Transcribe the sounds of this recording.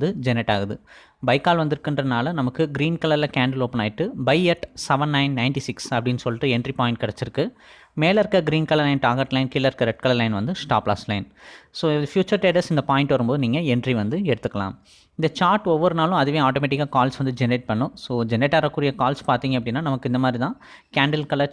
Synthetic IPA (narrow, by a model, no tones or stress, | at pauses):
d̪ɯd͡ʒɛnɛʈːaːɣɐðɯ | bɐɪkːaːlʋɐnd̪ɪɾɯkːɪndrɐnaːlɐnɐmɐkːɯɡɪɾiːnkɐlɐɾlɐkaːɳɖɐloːpɐnaːjɪʈːɯbɐɪɛʈsɛʋɐnːɐɪnnɐɪɳʈisɪksɐpːɐɽɪnːsɔlːɪʈːɯɛɳɖripaːjɪ̃ɳʈ̚kɐɽɛt͡ʃːɪɾɯkːɯ | meːlɐɪɾɯkːɐɡɪɾiːnkɐlɐɾlɐɪnʈaːɣɐɾʈlɐɪnkɪlːɐɾɯkːɐɾɛʈ̚kɐlɐɾlɐɪnʋɐnd̪ɯsʈaːpla̰ːslɐɪnsoːɪðfjuːt͡ʃɐɾʈeːʈɐsɪnd̪ɐpaːjɪ̃ɳʈʋɐɾɯmpoːðɯniːŋɡɐɛɳɖriʋɐnd̪ɯɛɽɯt̪ːɯkːɐlã̰ːm | ɪnd̪ɐt͡ʃaːɾʈɔʋːɐɾɯnaːlʊ̃ɐðɯʋẽːaːʈoːmeːʈɪkːaːkaːlsʋɐnd̪ɯd͡ʒɛnɾeːʈ̚pɐɳːʊ̃soːd͡ʒɛneːʈːaːɾɐkːuːɾɪjɐkaːlspaːɾt̪iːŋɡɐpːɐɽɪnːaːnɐmɐkːɯɪnd̪ɐmaːd̪ɾit̪ãː | kaːɳɖɐlkɐlɐɾ